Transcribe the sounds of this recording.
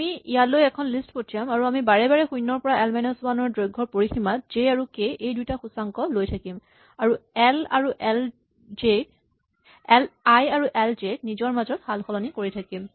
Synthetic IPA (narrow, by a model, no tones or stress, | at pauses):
miijalojɛkʰɔnlistpotʰijamaɹuamibaɹɛbaɹɛxujnːɔɹpɔɹaɛlmajnɔsbanɔɹdɹojɡʱɔɹpoɹiximat̚z̥eaɹukeʔejdujtaxusaŋkɔlojtʰakim | aɹuɛla̰ɹuʔɛl | e | lajaɹuʔɛlzek̚nizɔɹmazɔtxalxɔlɔnikoɹitʰakim